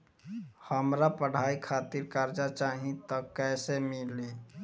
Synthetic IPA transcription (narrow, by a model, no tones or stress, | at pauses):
həmɾapəɽ̤aːikʰaːt̪iɾkaɾd͡ʒat͡ʃaːɦĩt̪əkːɛːsemili